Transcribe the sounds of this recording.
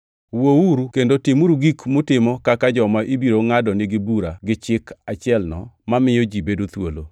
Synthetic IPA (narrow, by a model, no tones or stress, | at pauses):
wouɾukendotɪmuɾuɡikmʊtɪmɔkakad͡ʒɔmaʔibiɾoŋadɔnɪɡɪbuɾaɡɪt͡ʃɪkʰat͡ʃɪɛlnɔ̰mamɪjɔd͡ʒibedot̪wolo̰